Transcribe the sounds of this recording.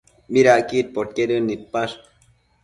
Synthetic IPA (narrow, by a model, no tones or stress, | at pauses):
miɾaʔkit̪̚pot̪̚keɾənːit̪̚paʂ